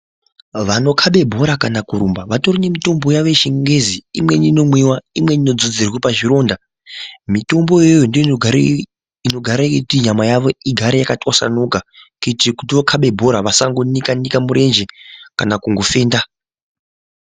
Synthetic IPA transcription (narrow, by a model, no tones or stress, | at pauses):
ʋano̞kʰaɓe̞bʱo̞ɾakanakuɾumbaʋato̞rine̞mito̞mbo̞jaʋe̞ʃeŋɡe̞ziimwe̞nino̞mwiwaimwe̞nino̞d͡zod͡zirwepaʐiɾo̞ːnda | mito̞mbo̞jejondo | ino̞ɡʱaɾakekutiɲamajaʋo̞iɡʱaɾejakatwasa̰nokakitikutiʋokʰaɓe̞bʱo̞ɾaʋasaŋɡo̞nikanikamuɾe̞nd͡ʒe̞kanakuŋɡo̞fe̞ːnda